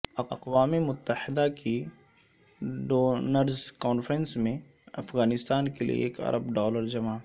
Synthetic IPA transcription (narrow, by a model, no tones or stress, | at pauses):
ɐɐqwaːmemʊt̪ːəhɪd̪akʰi | ɖoːnəɾzkɔːnfɾənsmẽ | ɐfɣaːnɪst̪aːnkelḭḛeːkɐ̰ɾʔəbɖɔːləɾd͡ʒɐmaː